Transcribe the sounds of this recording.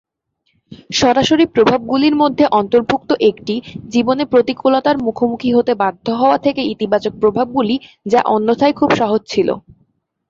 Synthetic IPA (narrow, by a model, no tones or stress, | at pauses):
ʃɔɾaʃoɾipɾobʱab̚ɡuliɾmod̪ʱːeʔɔnt̪oɾbʱukt̪oʔekʈid͡ʑibonepɾot̪ikʰolat̪aɾmukʰomukʰiɦot̪ebad̪ʱːoɦɔoat̪ʰekeit̪ibat͡ɕok̚pɾobʱab̚ɡuli | d͡ʑa̰ʔɔnːot̪ʰajkʰubʃaɦod͡ʑt͡ɕʰilo̰